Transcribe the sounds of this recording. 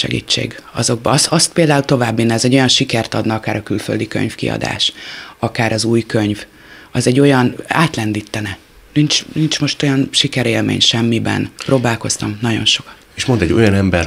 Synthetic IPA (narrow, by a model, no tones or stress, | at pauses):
ʃɛ̰ɡḭːt͡ʃːḛːɡɒ̰zo̞ɡ̚bɒsɒst̪̚peːld̪aːult̪o̞vaːbːinːɛzɛɟːo̞jɒnʃikɛrt̪ɒd̪nɒɒkaːɾɒkylføld̪ikø̰ɲfkḭɒ̰d̪a̰ːʃɒkaːɾɒzuːjkøɲv | ɒzɛɟːo̞jɒna̰ːt̪lɛnd̪iːt̪ːɛnɛ | nint͡ʃnint͡ʃmo̞ʃt̪o̞jɒnʃikɛɾeːlmḛːɲʃɛmːibɛ̰nprʔoːbaːlko̞st̪ɒmnɒɟo̞̰nʃo̞kɒ̥t̪eʃmo̞nd̪ɛɟːo̞̰jɒnɛmbɛr